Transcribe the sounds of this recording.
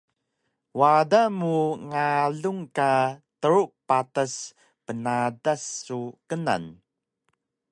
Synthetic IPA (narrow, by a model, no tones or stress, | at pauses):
wadamuŋaɮuŋkatəɾuʔpatas | pənadasːukəna̰n